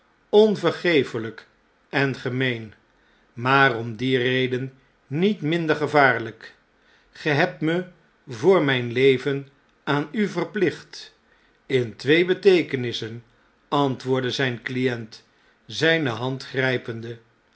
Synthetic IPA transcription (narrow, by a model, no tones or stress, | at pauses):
ɔnvəɹχejfələk | ɛnχəmejn | maːrɔmdirejdənː | itmɪndəɹχəvaːɹlək | χəɦɛp̚tmə | vʊːɹmɛjnlejvən | aːnyvərplɪχt | ɪntʋejbətejkənɪsən | ɑntʋʊːɹdəzɛjnklijɛnt | zɛjnəɦɑntχrɛjpəndə